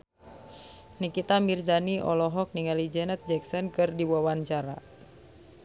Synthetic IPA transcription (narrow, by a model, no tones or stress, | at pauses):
nikit̪amirzaniʔɔlɔɦɔk̚niŋalid͡ʒɛnət̪̚d͡ʒɛksɔnkɨrdiwawant͡ʃaɾa̰